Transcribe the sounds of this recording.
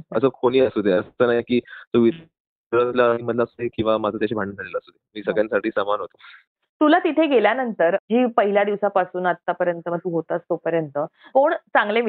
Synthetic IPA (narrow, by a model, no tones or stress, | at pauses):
əsəːkʰoɽ̃iːəsud̪ʱeəst̪ənajkiːt̪uʋit̪ | ɾəslaɦiːməd̪ʱlasud̪ekĩw̃ʋamad͡zʱət̪jaɕiːbʱaɳə̃d͡zʱalelaəsud̪emiːsəɡɭjãnsaʈʰiːsəmanɦot̪o | t̪ulat̪it̪ʰeɡeljanənt̪əɾd͡ʑiːpəɦiljad̪iʋsapasuːnət̪ːapəɾjənt̪əməɡ̚t̪uːɦot̪aəst̪opəɾjənt̪əkoɳt͡sãŋɡlem